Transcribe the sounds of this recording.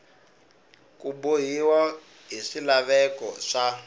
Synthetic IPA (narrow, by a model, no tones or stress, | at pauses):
kuboɦiwa | ɦiʂilaβɛkɔʂa